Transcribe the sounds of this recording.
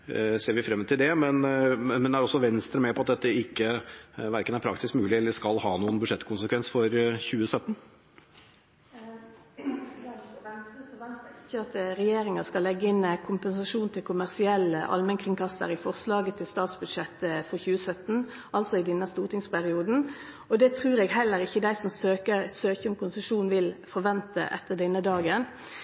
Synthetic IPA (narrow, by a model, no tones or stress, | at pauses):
seːɾʋɪfɾɛmːət̪ʰɪld̪ɛmɛnmɛnd̪ɛæɾɔsːɔʋɛnst̪ɾəmɛpʰɔɑt̪̚d̪ɛt̪ːəɪkːəʋæɾkənæɾpʰɾɑ̰k̚t̪ɪskmʉːlɪɛlːəʂkɑlhɑːnuːənbʉd̪ʂɛt̪kʰʊnsəkʰʋɛnsfɔɾçʉːəsœt̪ːn̩ | nsəɛnt̪ɪçːəɑt̪ɾɛjeːɾɪŋɑskɑlːɛɡːəɪnkʰʊmpɛnsɑʂuːnt̪ʰɪlkʰʊmæʁsɪɛlːəʔɑ̰lmənkʰʁɪŋkɑst̪ə̰ɾɪfɔʁslɑːɡət̪ʰɪlst̪ɑːt̪sbʉd̪ʂɛt̪ːəfɔʁçʉːəsœt̪ːn̩ | ɑlsɔɪd̪ɛnːəst̪uːʁt̪ʰɪŋspʰæʁɪuːd̪n̩ | ɔd̪ɛt̪ʰɾʉːɾɛːɡhɛlːəɾɪçːəd̪æɪsɔmsøːkəsøːçəmkʊnsəʂuːnʋɪlfɔʁʋɛnt̪ə̰ʔɛ̰t̪ːəd̪ɛnːəd̪ɑːɡən